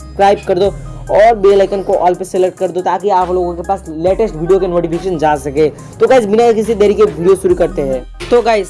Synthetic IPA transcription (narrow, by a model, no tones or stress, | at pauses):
skɾaːɪb̚kɐɾd̪oɔːɾbelaɪkənkoʔɔːlpeselek̚ʈ̚kɐɾd̪ot̪aːkiaːploːɡõkepaːsleːʈesʈʋʱiːɖijokenoːʈipɪkeːʃənd͡ʒaːsɐke | t̪oɡaːɪsbɪnakɪs̬id̪ɐɾikeʋʱiːɖijosʊɾukɐɾt̪eɦɛ̃ː | t̪oɡaːɪs